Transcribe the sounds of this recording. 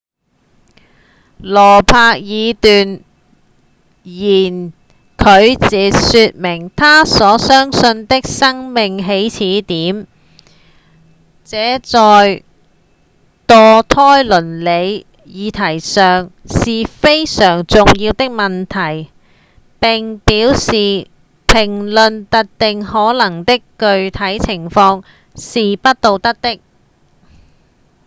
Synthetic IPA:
lɔː˨˩pʰaː˧k̚jiː˨˧t̪yː˨n | jiː˨˩n | kʰɵ˨˧ɥt͡siː˨syː˧t̚mɪ˨˩ŋt̪ʰaː˥sɔː˨˥sœː˥ŋsɵ˧nt̪ɪ˥k̚sɐ˥ŋmɪ˨ŋɦe˨˥jt͡sʰiː˨˥t̪iː˨˥m | t͡sɛː˨˥t͡sɔː˨j | t̪ɔː˨˧t̪ʰɔː˥jlɵ˨˩nle˨˧j | jiː˨˧t̪ʰɐ˨˩jsœː˨ŋsiː˨fe˥jsœː˨˩ŋt͡sʊ˨ŋjiː˧wt̪ɪ˥k̚mɐ˨nt̪ʰɐ˨˩j | pɪ˨ŋpiː˨˥wsiː˨ | pʰɪ˨˩ŋlɵ˨nt̪ɐ˨˥k̚t̪ɪ˨ŋhɔː˨˥lɐ˨˩ŋt̪ɪ˥kːɵ˨˧ɥt̪ʰɐ˨˥jt͡sʰɪ˨˩ŋfɔː˧ŋ | siː˨pɐ˥t̚t̪o˨˧wt̪ɐ˥k̚t̪ɪ˥k̚

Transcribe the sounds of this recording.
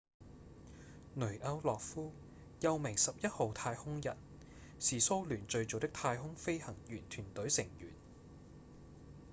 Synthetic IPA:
nɵ˨˩ʔɐ˧wlɔː˨k̚fuː˥ | jɐ˧wmɪ˨˩ŋsɐ˨p̚jɐ˥t̚ho˨wt̪ʰaː˧jhʊ˥ŋjɐ̰˨˩t̚ | siː˨so˥wlyː˨˩nt͡ʃɵ˧ɥt͡ʃo˨wt̪ɪ˥k̚t̪ʰaː˧jɦʊ˥ŋfe˥jhɐ˨˩ŋjyː˨˩nt̪ʰyː˨˩nt̪ɵ˨˥ɥsɪ˨˩ŋjy̰ː˨˩n

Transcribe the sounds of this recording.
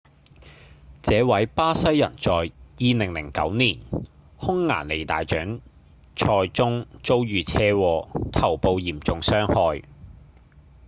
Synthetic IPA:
t͡sɛː˨˧wɐ˨˥jpaː˥sɐ˥jːɐ̰˨˩nt͡sɔː˨jjiː˨˧nɪ˨˩ŋlɪ̰˨˩ŋkɐ̰˨˥wniː˨˩nhʊ˥ŋːa̰ː˨˩nle˨jt̪a̰ː˨jt͡ʃœː˨˥ŋ | t͡ʃʰɔː˧jt͡sʊ˥ŋt͡so˥wjyː˨t͡sʰɛː˥wɔː˧t̪ʰɐ˨˩wpo˧wjiː˨˩mt͡sʊ˨ŋsœː˥ŋhɔː˧j

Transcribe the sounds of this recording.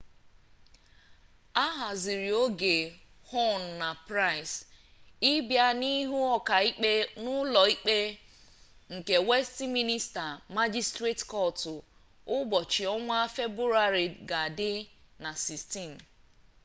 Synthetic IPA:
a˦ɦa˨zi˨ɾi˨o˦ɡe˨ | ho˦n˨na˨pɾa˦˨ɪ˨s | i˦bja˦ni˦ɦu˦ɔ˨ka˨i˦k͡pe˦nʊ˦lɔ˨i˦k͡pe˦ | ŋ̩˨ke˨we˦sti˦mi˦ni˦sta˨ma˦d͡ʒi˦stɾe˦tkɔ˦˨tʊ˨ | ʊ˦bɔ˨t͡ʃi˨ɔ˦ŋʷ˦a˦fe˦bɾu˦ɾa˦ɾi˨ɡa˨dɪ˦na˨si˨sti˦˨m̩˨

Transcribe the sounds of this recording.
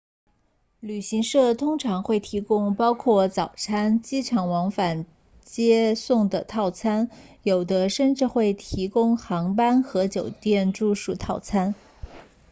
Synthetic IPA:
ly˨˩ɕi˧˥ŋʂɤ˥˩t̪ʰʊ˥ŋʈ͡ʂʰɑ˧˥ŋxwe˥˩ɪt̪ʰi˧˥kʊ˥ŋpɑ˥ʊkʰwɔ˥˩t͡sɑ˨˩ʊt͡sʰa˥nt͡ɕi˥ʈ͡ʂʰɑ˨˥˩ŋwɑ˧˥ŋfa˨˩n | t͡ɕjɛ˥sʊ˥˩ŋd̪ə˩t̪ʰɑ˥˩ʊt͡sʰa˥njo˨˩ʊd̪ə˦ʂə˥˧nʈ͡ʂɻ̩˥˧xwe˥˩ɪt̪ʰi˧˥kʊ˥ŋxɑ˧˥ŋpa˥nxɤ˧˥t͡ɕjo˨˩ʊt̪jɛ˥˧nʈ͡ʂu˥˧ʂu˥˧t̪ʰɑ˥˩ʊt͡sʰa˥n

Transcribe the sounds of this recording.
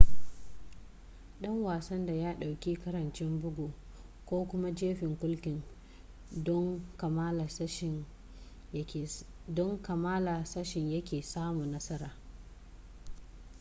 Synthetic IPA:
ɗɐ˦ŋwaː˨sɐ˦nda˨jaː˦ɗa˨wkʲi˦kɐ˦ɾɐ˨nt͡ʃɛ˦mbʊ˦ɡʷoː˨ | kʷoː˦kʷʊ˦ma˦d͡ʒeː˦ɸɪ˨ŋkʷʊ˦lkʲɪ˨ŋ˦ | ŋ˨˦˨ | dɔ˦ŋkɐ˨maː˦la˨sɐ˦ʃɪ˨ɲjɐ˦kʲeː˨saː˦mu˨nnɐ˦sɐ˦ɾaː˨

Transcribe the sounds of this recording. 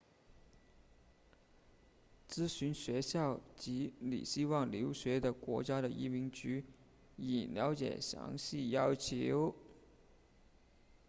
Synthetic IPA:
t͡sɹ̩˥ɕy˧˥nɕɥɛ˧˥ɕjɑ˥˩ʊt͡ɕi˧˥lḭ˨˩ɕi˥wɑ˥˩ŋljo˧˥ʊɕɥɛ˧˥d̪ə˨kwɔ˧˥t͡ɕja˥ɾə˨ʔi˥mi˧˥ŋt͡ɕy˧˥ | i˨˩ljɑ˧˥ʊt͡ɕjɛ̰˨˩ɕjɑ̰˧˥ŋɕi˥˩jɑ˥ʊt͡ɕʰjo˧˥ʊ

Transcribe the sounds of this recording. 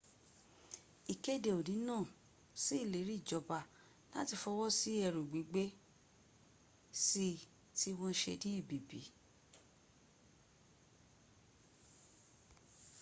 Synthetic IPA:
i˨ke˦de˨o˨nĩ˨˦nãː˦˨ | si˦i˦˨le˨˦ɾi˦˨d͡ʒɔ˨ba˧ | la˦ti˧fɔ˧wɔ˦si˦ɛ˧ɾu˨ɡ͡bi˨˦ɡ͡be˦ | si˦ | ti˦w̃ɔ̃˦ʃḛ˧dĩ˦e˦˨bi˨bḭ˨˦

